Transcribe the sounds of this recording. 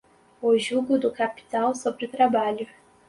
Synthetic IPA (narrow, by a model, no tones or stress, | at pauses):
ʊʒuɡʊd̪ʊkapi̥t̪awsobɾɪʊt̪ɾabaʎʊ